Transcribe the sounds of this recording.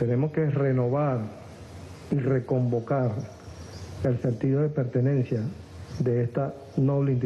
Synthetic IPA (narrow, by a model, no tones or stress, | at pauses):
t̪e̞ne̞mo̞ske̞re̞noβ̞aɾ | ire̞ko̞mbo̞kaɾ | e̞lsent̪iðo̞ðe̞pe̞ɾt̪e̞nẽ̞nsja | ðe̞est̪a | no̞βleint̪